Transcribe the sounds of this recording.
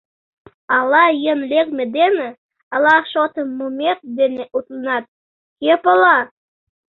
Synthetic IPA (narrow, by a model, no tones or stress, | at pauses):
ɑlˠɑjenlʲek̚med̪enə | ɑlˠɑχʃot̪əmumeq̚d̪eneʔut̪ˠənɑt̪̚ | kʲepəlˠɑ